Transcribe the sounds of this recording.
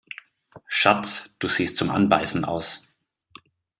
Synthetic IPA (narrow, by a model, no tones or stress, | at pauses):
ʃat͡sd̥uːz̥iːstt͡sʊmʔa̰nba̰ɪsn̩ʔa̰ʊs